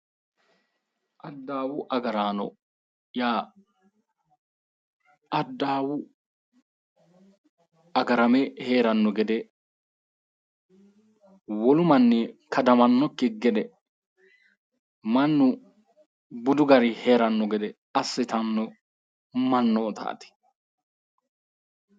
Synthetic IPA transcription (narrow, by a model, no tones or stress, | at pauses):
ʔɐd̪ːaːwʊʔɐɡɐɾaːnɔ̰ | jaː | ʔɐd̪ːaːwʊ | ɐɡɐɾɐmɛheːɾɐnːɔɡɛd̪ɛ | wɔlʊmɐnːɛkʰɐd̪ɐmɐnːɔkːɪɡɛd̪ɛ | mɐnːʊ | bʊd̪ʊɡɐɾɪhe̞ːɾɐnːɔɡɛd̪ɛ | ɐsːɪt̪ɐnːɔ | mɐnːɔːt̪a̰ːt̪ɪ̥